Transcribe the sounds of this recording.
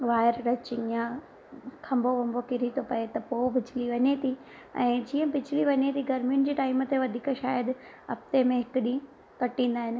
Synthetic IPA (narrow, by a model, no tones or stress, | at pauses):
ʋaːɪɾɾɐt͡ɕɪŋã | kʰɐ̃mbʱoʋɐ̃mbʱokɪɾit̪ʰopɐet̪ɐpoːbɪt͡ɕʰɪliʋɐɲet̪ʰi | ɛ̰̃ːd͡ʑiːə̃bɪd͡ʑʰʱɪliʋɐɲet̪ʰiɡɐɾmijʊnɪd͡ʑeːʈaːimt̪eʋɐd̪ʱiːkʃaːjəd̪ | ɐp̚t̪emẽɦɪkɗĩ | kɐʈĩːnd̪aːɦɪnɪ̆